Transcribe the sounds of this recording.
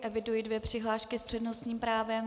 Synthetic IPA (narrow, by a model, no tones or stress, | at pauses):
ʔɛvɪdujidvjɛpr̝̥ɪɦlaːʃkɪspr̥ɛdnosɲiːmpɾaːvɛm